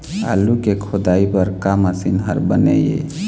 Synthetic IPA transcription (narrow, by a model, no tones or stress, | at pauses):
a̰lukekʰod̪aipəɾkamasinɦəɾbənɛ̰jḛ